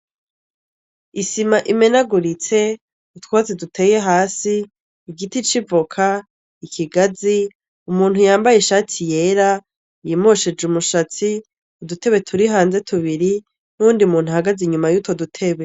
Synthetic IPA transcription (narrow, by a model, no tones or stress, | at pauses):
isimaʔime̞naɡuɾit͡se̞ | utwazidutʰe̞ːje̞ɦaːsiː | ɡitit͡ʃivokʰa | ikʰiɡazi | umuːnhujaːmbajeʃaːtʰije̞ːɾa | jimoʃed͡ʒumuʃat͡si | udute̞βwe̞tʰuɾiɦaːnze̞tʰuβiɾi | nuuːndiumuːn̥huhaɡaziɲumajuto̞dutʰe̞βe